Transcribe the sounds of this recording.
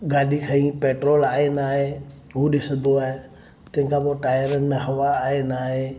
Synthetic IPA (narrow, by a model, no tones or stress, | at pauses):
ɡaːɖikʰəĩpeːʈɾoːlaːenaːɦe | uɗɪsəd̪ʱoae | t̪ẽkapoʈaːjəɾənmẽɦɐʋaːenaːɦe